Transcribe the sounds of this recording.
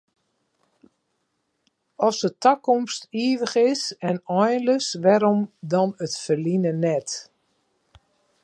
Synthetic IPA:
ɔsətakɔmstiəʋəχɪsɛnɔjnləsʋɛɾɔmdɔnətfərlinənɛt

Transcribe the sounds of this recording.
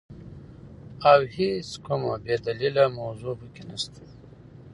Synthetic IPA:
awheskumabed̪alilamawzupəkenast̪ʰad̪

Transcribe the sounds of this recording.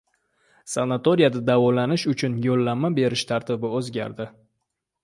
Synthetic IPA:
sanat̪oɾijad̪ad̪avɒlanɪʃʊt͡ʃʰʊnjolːammːabe̞ɾɪʃt̪ʰaɾt̪ʰɪbɪɵzɡʲa̰ɾd̪ɪ

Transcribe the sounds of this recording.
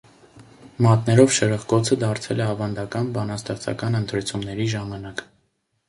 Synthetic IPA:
mɑt̪nɛɾɔvʃəɾəʁkɔt͡sʰəd̪ɑɾt͡sʰɛlɛɑvɑnd̪ɑkɑnbɑnɑst̪ɛχt͡sʰɑ̰kɑnənt̪ʰɾɛt͡sʰumnɛɾiʒɑmɑnɑk

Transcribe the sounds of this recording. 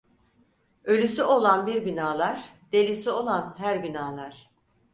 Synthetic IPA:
ø̞lʲysyo̞lˠanbiɾɟynaːlˠaɾ̥d̪̥e̞lʲisio̞lˠanɦæɾɟynaːlˠaɾ̥

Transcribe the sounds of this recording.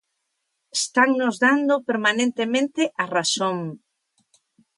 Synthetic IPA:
est̪aŋnʊzðand̪ʊpeɾmanẽnt̪emẽnt̪ɪʔarasoŋ

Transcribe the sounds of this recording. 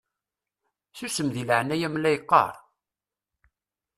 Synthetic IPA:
θusəmðiləʕnæjæmlæjqːɑ̰ɾˤ

